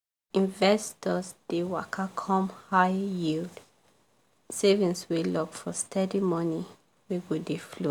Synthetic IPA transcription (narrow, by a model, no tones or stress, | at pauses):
ĩnvɛstʰɔsd̥ewakʰakʰɔ̃mhaɪjild | sevĩnswilɔvfɔstʰɛdimɔni | wiɡudiflo